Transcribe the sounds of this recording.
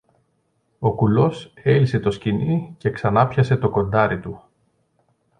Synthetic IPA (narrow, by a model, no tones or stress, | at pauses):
o̞kulo̞se̞lise̞t̪o̞scinice̞ksɐnɐpçɐse̞t̪o̞ko̞nd̪ɐɾit̪u